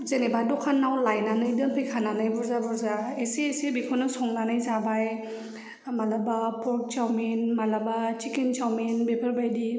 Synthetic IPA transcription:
zenebadɔkʰanːawlajnanɯjdɯŋpʰɯjkʰananajbɔɾzabɔɾzaeseesebikʰɔnɯsɔŋnanajzabaj | malabapʰɔɾk̚t͡ʃawmenmalabat͡ʃikent͡ʃawmenbepʰaɾbajdi

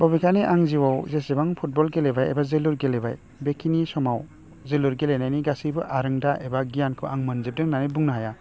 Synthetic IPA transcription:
bɔbikʰaniʔaŋziwawzesebaŋpʰut̚bɔlɡelebajḛbazeluɾɡelebaj | bekʰinisɔmaw | zeluɾɡelenajniɡasibɯʔaɾɯŋdaʔebaɡijankʰɯʔaŋmɯnzep̚dɯŋnanibuŋnaɦaja

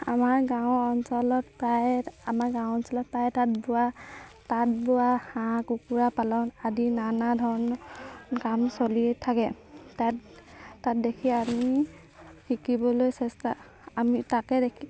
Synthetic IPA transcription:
a̰maɹɡaʊɔnsɔlɔt̚pɹajɛamaɹɡãw̃ɔnsɔlɔt̚pɹajɛtat̚bʊatat̚bʊahãkukuɹapalɔnadinanadʱɔɹɔnɔkamsoliɛtʰakɛ | ta | tat̚dekʰiami | hikibɔlojsɛstaː | mitakɛdekʰi

